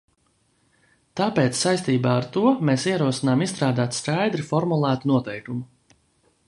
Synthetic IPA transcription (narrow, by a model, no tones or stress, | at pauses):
t̪aːpeːt̪ssajst̪iːbaːaɾt̪uɔmeːsiɛɾuɔsinaːmisst̪ɾaːd̪aːt̪skajd̪ɾifɔɾmulˠæːt̪unuɔt̪ɛjkumu